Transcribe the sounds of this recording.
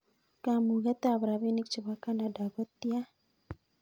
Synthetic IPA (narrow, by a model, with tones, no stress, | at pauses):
ka˦mu˨ɣa˦t̪a˦˨bɾa˨βi˦ni˦k̚t͡ʃə˨ba˦ka˦na˦da˨ɡɔ˦t̪ːi˦a˦